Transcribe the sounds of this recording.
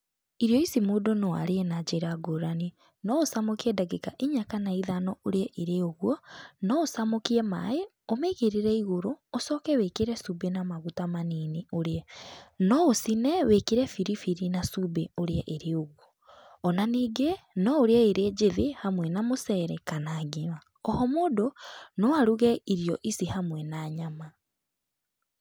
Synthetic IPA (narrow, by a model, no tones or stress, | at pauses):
iɾjɔisimodonɔwa̰ɾeɛnad͡ʑeɾaɡoɾani | nɔosamokiɛdaɡekaʔiɲakanaiðanɔoɾeɛʔeɾeoɣwɔnɔosamokiɛma̰e | omeɣeɾeɾɛiɣoɾoːsɔːkɛwekeɾɛsubenamaɣutamaniːnioɾeɛnɔosinɛwekeɾɛfiɾifiɾinasubeoɾeaʔeɾeoɣwɔː | naniːɡenɔoɾeaeɾeɟeðehamwɛnamosɛɾɛkanaɡema | ɔhɔmoːdonoaɾuɣɛiɾijɔʔisihamwɛnaːɲama